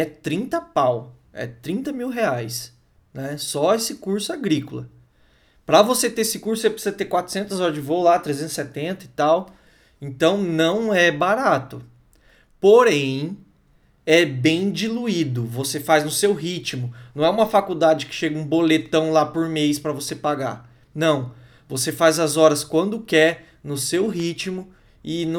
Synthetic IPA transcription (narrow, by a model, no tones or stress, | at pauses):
ɛt̪ɾĩnt̪ɐpaw | ɛ̰t̪ɾĩnt̪ɐmiwɦeajs | nɛsɔesɪkuɾsʊaɡɾikʊlɐ̰ | pɾɐvoset̪eesɪkuɾsʊsepɾɪsizɐt̪eɾkwat̪ɾʊ̥sẽnt̪ʊzɔɾd͡ʒɪvowlat̪ɾezẽnt̪ʊ̥sɛt̪ẽnt̪ɐɪt̪aw | ẽnt̪ɐ̃w̃nɐ̃w̃ɛbaɾat̪ʊ | poɾẽj̃ | ɛbẽj̃d͡ʒiluid̪ʊvosefajznʊsewɦit͡ʃimʊnɐ̃w̃ɛũmɐfakud̪ad͡ʒɪkɪ̥ʃeɡɐũbolet̪ɐ̃w̃lapoɾmejspɾɐvosepaɡa̰ | nɐ̃w̃ | vosefajzɐzɔɾɐskwɐ̃nd̪ʊkɛɾ | nʊsewɦit͡ʃimʊ | ɪn